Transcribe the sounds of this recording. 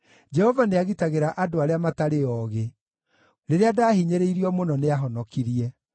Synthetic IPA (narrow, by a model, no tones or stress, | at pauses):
d͡ʒɛhɔvaneaɣitaɣeɾaʔadoaɾeamataɾeɔːɣe | ɾeɾeadaːhiɲeɾeiɾiɔmonɔneaɦɔnɔkiɾiɛ